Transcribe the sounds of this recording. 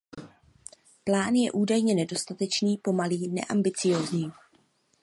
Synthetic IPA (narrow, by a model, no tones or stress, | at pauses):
plaːnjɛ̰ʔuːdajɲɛnɛdo̞st̪at̪ɛt͡ʃniːpo̞maliːnɛ̰ʔambɪt͡sɪjo̞ːzɲiː